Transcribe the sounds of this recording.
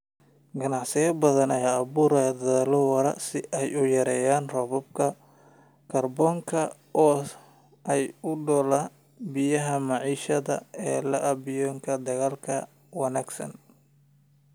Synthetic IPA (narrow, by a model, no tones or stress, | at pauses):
ɡɐnɑʕsɪjɐbɐðɐnɛjɐβuːɾɛd̪ɐðɐlɐwɐɾɐ̰sɪʔɛjʊjɐɾɛːjaːnrɔβɔb̚kʰɐ | kʰɐrbɔːŋkʰɐ | ʔɔː | ʔɛjʊɖɔːla | bɪjɐɦɐmɑʕiːʃɐðɐ̰ɛːlɐʔɐbɪjɔːŋkʰɐd̪ɐɣaːlkʰɐ | wɐnaːɡsɐ̰n